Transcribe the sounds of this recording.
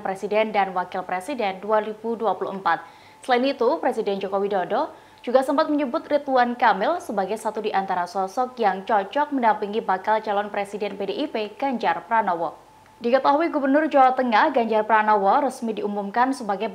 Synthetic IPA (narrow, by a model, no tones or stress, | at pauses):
pɾesidɛndanwakɪlpɾesidɛnduaɾibuduapuluhəmpat̪̚ | səlainit̪upɾesidɛnd͡ʒokowidodɔ | d͡ʒuɡasəmpat̪̚məɲəbʊt̪rit̪uankamɪlsəbaɡajsat̪udiʔant̪aɾasɔsɔk̚jaŋt͡ʃɔt͡ʃɔk̚məndampiŋibakalt͡ʃalɔnpɾesidɛnpedeʔipeɡ̥aɲd͡ʒarpɾanɔwɔ | dikət̪aɦuiɡubərnʊrd͡ʒawat̪əŋahɡaɲd͡ʒarpɾanɔwɔɾəsmidiumumkansəbaɡa